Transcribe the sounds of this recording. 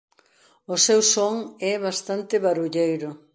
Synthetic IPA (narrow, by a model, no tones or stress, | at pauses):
ʊsɛwsoŋɛβast̪ant̪ɪβaɾuʎejɾʊ